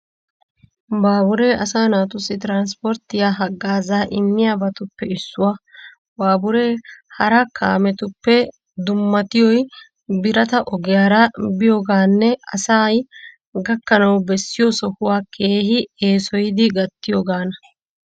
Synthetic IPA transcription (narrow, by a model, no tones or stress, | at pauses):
baːbʊɾe̞ːʔɐsaːnaːt̪ʊsɪt̪ɾaːns̬pɔɾt̪ːɪjaːɦɐɡːaːzaːʔɪmːɪjaːbɐt̪ʊpːɛɪsːʊwɐ | baːbʊɾe̞ːhɐɾɐka̰ːmɛt̪ʊpːɛ | d̪ʊmːɐt̪ɪjɔj | bɪɾɐt̪ɐʔɔɡɪjaːɾɐbɪjoːɡaːnːɛɐsaːj | ɡɐkːɐnɐwbɛsːɪjɔsɔhʊwaːkʰe̞ːhɪe̞ːsɔjɪd̪ɪɡɐt̪ːɪjoːɡaːnɐ